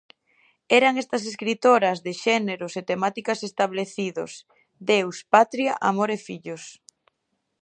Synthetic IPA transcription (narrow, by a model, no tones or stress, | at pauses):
ɛɾɐŋɛst̪ɐs̬eskɾit̪oɾɐzðeʃɛneɾʊset̪emat̪ikɐsest̪aβleθiðo̰s | d̪ewspat̪ɾjaʔamoɾefiʎʊs